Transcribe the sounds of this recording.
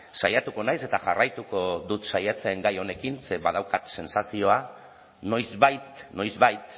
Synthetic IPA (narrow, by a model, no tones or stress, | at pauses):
sajat̪uko̞najse̞t̪aʝarajt̪uko̞ðut̪sajat͡seŋɡajo̞ne̞kinseβaðawkat̪se̞nsasio̞a | no̞jzβajt̪no̞jzβajt̪